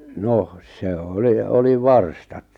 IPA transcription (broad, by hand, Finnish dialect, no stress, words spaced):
noh se oli oli ʋɑrstɑt